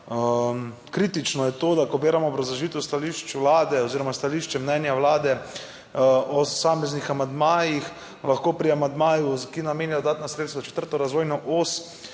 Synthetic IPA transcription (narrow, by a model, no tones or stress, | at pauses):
m | kɾiːt̪it͡ʃnɔjɛt̪od̪akɔbeːɾamɔːbɾazaʒiːt̪ɛwst̪aliʃt͡ʃʋlaːd̪ɛoziːɾɔmast̪aliʃt͡ʃɛmnɛnjawlaːd̪ɛ | osaːmɛznixamand̪maːjix | laxkoːpɾiamand̪maːjukinameːnjad̪od̪aːt̪nasɾet̪svzat͡ʃɛ̥t̪əɾt̪ɔɾazʋoːjnɔʔos